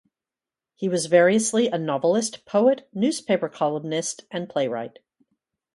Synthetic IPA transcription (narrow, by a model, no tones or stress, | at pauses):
hiwʌzvɛɹiɨsliʔɨnɑvl̩ˠɨstpʰoʊɨtnʉz̥pʰeɪpə˞kʰɑlˠə̃mnɪstɨ̃npʰl̥eɪɹa̰ɪt̚